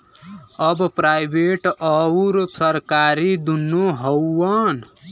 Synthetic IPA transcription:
əbpɾajbeʈəuɾupsəɾkaɾid̪unːuɦəwːən

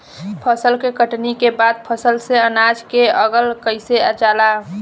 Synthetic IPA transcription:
pʰəsəlkekəʈnikebad̪̚pʰəsəlseənad͡ʒkeəɡəlkəɪseət͡ʃala

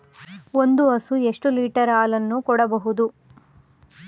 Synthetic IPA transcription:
o̞nd̪uɐsue̞ʂʈuliːʈɐɾaːlɐnːukɔɽɐbɐɦud̪u

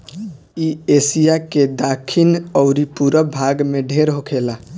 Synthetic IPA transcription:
iesijaked̪akʰinəʊɾipuɾəbʱaɡmeɖʱeɾɦokʰela

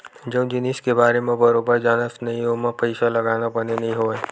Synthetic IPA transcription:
d͡ʒɐũd͡ʒɪniskebaːɾemẽbɐɾoːbəɾd͡ʒaːnəsnɐɦĩɦomẽpɐɪsalɐɡaːnapɐnenɐɦĩɦoeː

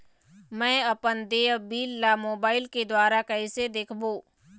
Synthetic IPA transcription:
mɛ̃ːɐpənd̪eːbiːlːamoːbaːɪlked̪waːɾakɐɪsed̪eːkʰboː

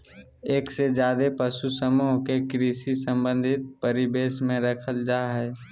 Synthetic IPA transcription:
eːksed͡ʒjaːd̪epəʃusəmuːɦkekɾiːsisə̃mbə̃nd̪ʱɪt̪̚pəɾɪbeːsmẽɾəkʰəld͡ʒaːɦɛː

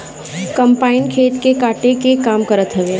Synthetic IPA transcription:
kɐ̃mpaːɪnkʰeːt̪kekaːʈekekaːmkɐɾət̪ɦɐʋeː

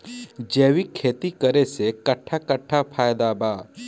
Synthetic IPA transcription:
d͡ʒeːwikʰːeːt̪ikəɾesekɐʈʰːakəʈʰːapʰaːjd̪abaː

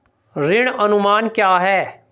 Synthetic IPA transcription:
ɾɪɽ̃ənʊmaːnkjaːɦɛː

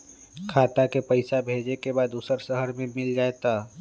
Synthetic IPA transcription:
kʰaːt̪akepəɪsabʱeːd͡ʒekebaːd̪uːsəɾsəɦəɾmẽmɪld͡ʒaːet̪a

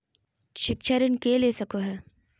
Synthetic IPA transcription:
ʃɪkʃəɾɪnkeleːsɐkoɦɛː

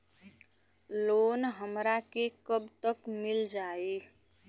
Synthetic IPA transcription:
lonɦəmɾakekəbt̪əkmild͡ʒae

